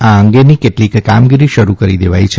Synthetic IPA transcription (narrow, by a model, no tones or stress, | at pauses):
aəŋɡenikeʈlikkamɡiɾiʃəɾukəɾid̪eʋajt͡ʃʰe